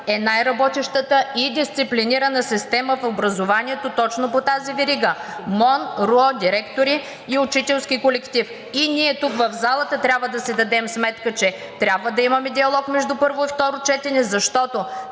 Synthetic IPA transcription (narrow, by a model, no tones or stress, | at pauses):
ɛnajɾɐbɔt̪iʃt̪ət̪əid̪ist̪sipliniɾɐnəsist̪ɛməfobɾɐzovaniɛt̪ot̪ɔt͡ʃnopot̪azivɛɾiɡəmɔnɾuɔd̪ʲiɾɛkt̪oɾiː | ʊt͡ʃit̪ɛlˠskʲikolɛkt̪if | iniɛt̪ukvɐvzalˠət̪ət̪ɾʲabvəd̪ɐsɛd̪ɐd̪ɛmsmɛt̪kət͡ʃɛ | t̪ɾʲabvəd̪ɐimɐmɛd̪iɐlˠɔkmɛʒd̪upɤɾvʊift̪ɔɾʊt͡ʃɛt̪ɛnɛzɐʃt̪ɔt̪o